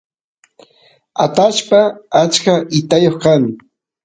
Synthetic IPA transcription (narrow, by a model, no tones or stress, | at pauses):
at̪aʃpaːt͡ʃkaʔɪt̪ajoχkaŋ